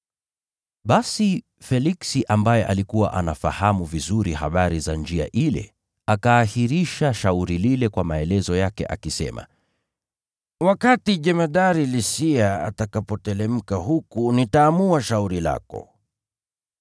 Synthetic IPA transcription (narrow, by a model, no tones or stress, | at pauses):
ɓasi | fɛliksiʔambajɛʔalikuwa̰ʔanafa̰hamuvizuɾihaɓaɾizand͡ʒia̰ʔilɛ̰ | akaːhiɾiʃaʃauɾililɛkwamaɛlɛzɔjakɛ̰ʔa̰kisɛ̰ma̰ | wakatiʄɛmaɗaɾilisiaa̰takapɔtɛlɛm̩kaɦukunitaːmuaʃauɾila̰kɔ̰